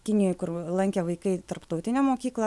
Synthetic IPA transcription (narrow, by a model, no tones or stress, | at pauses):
kʲɪnʲɪjoːjkʊrlˠɐŋʲkʲɛʋɐɪkɐɪt̪ɐrpt̪ɐʊt̪ʲɪnʲæːmoːkʲiːklˠɐ